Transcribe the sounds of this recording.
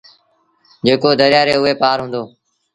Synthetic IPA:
d͡ʒeːkoːd̪əɾɪjaːɾeːʊɦeːpaːɾɦũːnd̪oː

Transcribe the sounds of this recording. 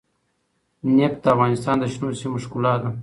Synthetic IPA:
nept̪afɣɑːnist̪ɑːnd̪əʃnuːsimuʂkulaːd̪ɐ

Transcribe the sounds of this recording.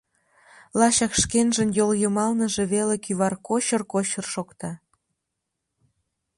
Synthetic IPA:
lɑɕɑkʃkenʒənjoljomɑlnə̆ʒe̽βelekyβɑrkoɕərkot͡ɕərʃokt̪ɑ

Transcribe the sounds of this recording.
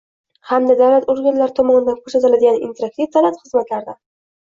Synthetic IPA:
hamd̪ad̪awlat̪oɾɡʲanlaɾɪt̪ʰɒmɒnɪd̪ankʰɵsat̪ɪlad̪ɪɡʲanḭnt̪ʰeɾak̚t̪ift̪ʰalant̪χɨzmat̪laɾd̪a

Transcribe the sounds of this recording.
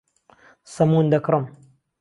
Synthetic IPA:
sɐmuːnd̪ɐkɾɨm

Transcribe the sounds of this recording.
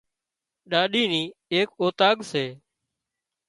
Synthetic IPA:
ɗaːɗiːniːeːkoːt̪aːɠseː

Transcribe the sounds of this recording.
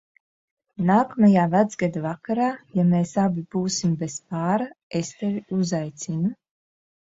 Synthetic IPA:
naːkamajaːvæd̪zɡad̪avakaɾaːjameːsabib̥uːsimbespaːɾaest̪eɾiuzajt̪sinu

